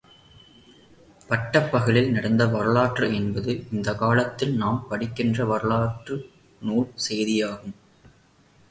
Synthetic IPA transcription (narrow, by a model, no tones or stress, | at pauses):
pɐʈːɐpːɐɣɯɭɪlnɪɽɐnd̪ɐʋɐɾɯɭaːʈrɯɛnbɐðɯɪnd̪ɐkaːɭɐt̪ːɪlnaːmpɐɽɪkːɪndrɐʋɐɾɯɭaːʈrɯ | nuːɭsɛjðɪjaːɣɯm